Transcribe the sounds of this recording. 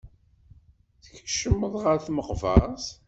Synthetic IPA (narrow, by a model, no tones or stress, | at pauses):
θə̥çʃəmːəðˤʁəɾθməqvɑ̰s